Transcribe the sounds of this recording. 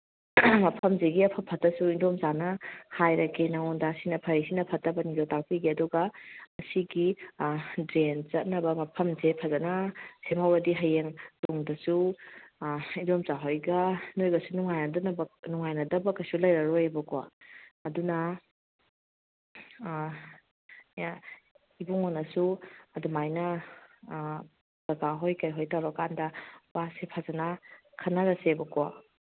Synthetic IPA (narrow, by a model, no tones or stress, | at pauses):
mɐpʰɐmzeɡiɐpʰɐpʰɐtɐsuindomzanɐhajɾɐkʰinɐŋondaːsinɐpʰɐɾisinɐpʰɐtːɐbɐnidatak̚piɡiɐduɡɐɐsiɡi | dɾenzɐt̚nɐbɐmɐpʰɐmzepʰɐzɐnɐsemawɐdiɦɐjeŋtoŋdɐsu | indomzaɦojɡɐnojɡɐsunuŋajnɐdɐnɐbnuŋajnɐdɐbɐkɐsulɐjɾɐɾojebɐkowa̰ːdunɐ | ibuŋonɐsuɐdumajnɐ | bɐɡaɦojkɐjɦojtawɾakandɐb̥asepʰazanɐ | kʰɐnaɾɐsebɐkowa̰